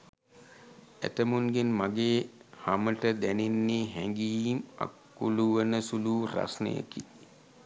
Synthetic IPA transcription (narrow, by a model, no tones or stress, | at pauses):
æ̰t̪əmunɡenmaɡeːhaməʈəd̪ænenːeɦɛŋɡima̰kːuluʋənəsuluːra̰snə̰jə̰ki